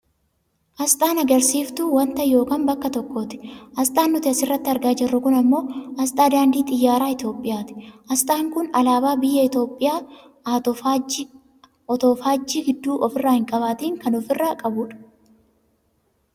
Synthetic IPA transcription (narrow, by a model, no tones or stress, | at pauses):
ʔɐst̪ʼaːnɐɡɐɾsiːft̪ʊwɐnt̪ɐjo̞ːkaːnbɐkːɐt̪ɔkːoːt̪ɪ̥ɐst̪ʼaːnːʊt̪ɪɐsɪrːɐt̪ːɪɐɾɡaːd͡ʒɪrːʊkʊnɐmːo̞ːɐst̪ʼaːd̪aːnd̪iːt̪ʼɪjːaːɾaːɪt̪jo̞ːpʼːɪjaːt̪ɪ̥ʔɐst̪ʼaːŋkʊnɐlaːbaːbɪjːɐɪt̪o̞ːpʼːɪjaː | ɔt̪oːfaːd͡ʒːiːɡɪd̪ːuːʔɔfɪrːaːhɪŋkʼɐβaːt̪iːŋkɐnɔfɪrːaːkʼɐbʊᶑɐ̥